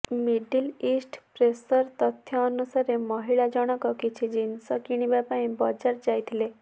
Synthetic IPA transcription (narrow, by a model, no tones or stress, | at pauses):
miɖilisʈpɾesəɾt̪ɔt̪ʰjɔːnusaɾemɔɦiɭad͡ʒɔɽ̃ɔkɔkit͡ʃʰid͡ʑinsəkiɽ̃ibapaĩbɔd͡ʒaɾd͡ʒajt̪ʰle